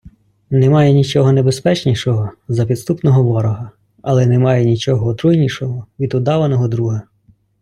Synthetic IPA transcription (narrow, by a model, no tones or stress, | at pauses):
nɛmɑjɛnʲit͡ʃɔɦɔnebespɛt͡ʃnʲiʃɔɦɔzɐpʲid̪st̪upnɔɦɔʋɔɾɔɦɐ | ɐlˠɛnɛmɑjɛnʲit͡ʃɔɦɔːt̪ɾujnʲiʃɔɦɔʋʲid̪ʊd̪ɑʋɐnɔɦɔd̪ɾuɦɐ